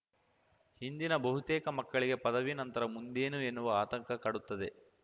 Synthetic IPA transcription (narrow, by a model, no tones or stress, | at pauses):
hind̪inɐbɐɦut̪eːkɐmɐkːɐɭiɡe̞pɐd̪ɐʋinɐnt̪ɐɾɐmund̪eːnuenːuʋɐaːt̪ɐŋkʰɐkɐɽut̪ːɐd̪e